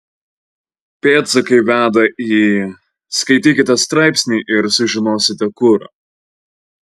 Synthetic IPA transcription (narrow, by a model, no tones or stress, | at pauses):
pʲeːt̪sɐkɐɪʋʲæːd̪ɐiː | skɐɪt̪ʲiːkʲɪt̪ʲɐst̪ɾɑˑɪpʲsʲnʲiːʔɪɾsʊʒʲɪnoːsʲɪt̪ʲɛkʊɾɐ̰